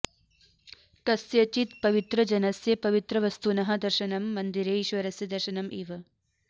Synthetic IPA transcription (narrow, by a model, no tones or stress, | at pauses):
kɐsjɐt͡ʃit̪pɐʋit̪ɾɐd͡ʒɐnɐsjɐpɐʋit̪ɾɐʋɐst̪unɐɦɐd̪ɐɾʃɐnɐmːɐnd̪iɾeːʃʋɐɾɐsjɐd̪ɐɾʃɐnɐmʔiːʋɐ